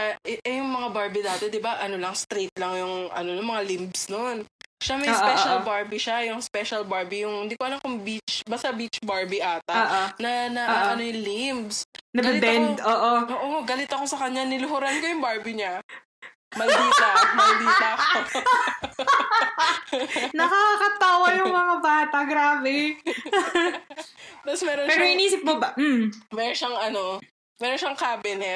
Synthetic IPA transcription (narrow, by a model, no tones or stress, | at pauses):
ʔɐʔɛʔɛjʊŋmɐŋabaɹbid̪aːt̪ɛd̪ɪbaʔɐno̞lɐŋst̪ɾet̪̚lɐŋjʊŋʔɐ̰no̞nomɐŋalɪmbsnonʃamɐsʔpɛʃɐlbaɹbiʃajʊŋspɛʃɐlbaɹbijʊŋhɪnd̪ikoʔɐlamkʊŋbit͡ʃbast̪ɐbit͡ʃbaɹbiʔaːt̪ɐːʔnɐnɐɐʔɐnojʊŋlɪmbsnɐɡɐbɛnoːʔoʔoːʔoɡɐlɪt̪ɐko̞sɐkɐɲanɪlʊɦʊɾɐnkojʊŋbaɹbiɲa | mɐliamɐlbia | nɐkakɐt̪aːwɐjʊŋmɐŋabaːt̪ɐɡɾaːbɛ | t̪ɐsmɛːɾopɛːɾoɪniːsɪp̚mobɐm̩mɛːɾonʃaŋɐno | mɛɾonʃɐŋkaːbɛnɛ